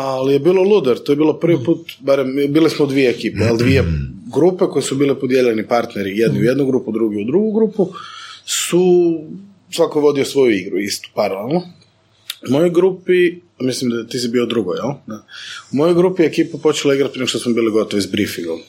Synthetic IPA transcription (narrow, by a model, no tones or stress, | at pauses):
alijebiːlˠolˠud̪eɾt̪ojebiːlˠopɾ̩ʋipuːt̪baɾembiːlismoud̪ʋijeːkiːpeald̪ʋieɡɾupeko̞jesubiːlipod̪jeʎenipaɾt̪neɾijed̪niujed̪nuɡɾupud̪ɾuɡiud̪ɾuɡuɡɾupusu | sʋakoʋo̞d̪iosʋo̞juiɡɾuist̪u̥paɾalelˠno | umojojɡɾupi | amislimd̪at̪isibiod̪ɾuɡojelˠnaumojojɡɾupiekiːpupo̞t͡ʃelaiɡɾat̪̚pɾieʃt̪osmobiːliɡo̞t̪oʋizbɾifiŋɡa